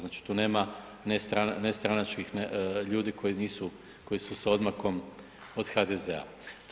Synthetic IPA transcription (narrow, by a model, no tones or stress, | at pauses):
znaːt͡ʃi̥t̪uːne̞ːma | nest̪ɾanest̪ɾanat͡ʃkixneʎuːd̪ikʰo̞jiniːsu | ko̞jisusao̞d̪mako̞m | o̞d̪xad̪ezḛa̰ | t̪